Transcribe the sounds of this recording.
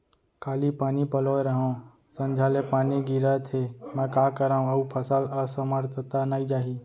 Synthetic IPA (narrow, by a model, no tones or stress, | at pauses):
kaːlipaːnipəloːeɾəɦõ | sə̃nd͡ʒʱaːlepaːniɡiɾat̪ʰemɛ̃ːkaːkəɾaːũɐupʰəsələsəməɾt̪ʰət̪anaːid͡ʒaːɦiː